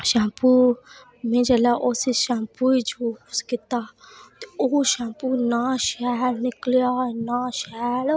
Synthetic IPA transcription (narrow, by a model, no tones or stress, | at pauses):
ʃãːpu | mẽd͡ʒɐlaʔosiʃãːpuid͡ʒuskɪt̪at̪eoʃãːpunaʃɛlnɪklijanãʃɛl